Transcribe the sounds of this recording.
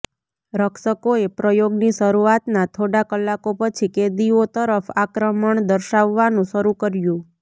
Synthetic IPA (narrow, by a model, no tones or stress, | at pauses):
ɾəkʃəkoepɾəjoɡniʃəɾuat̪nat̪ʰoɽakəlːakopət͡ʃʰiked̪iot̪əɾəfakɾəməɳd̪əɾʃaʋːanũʃəɾukəɾjũ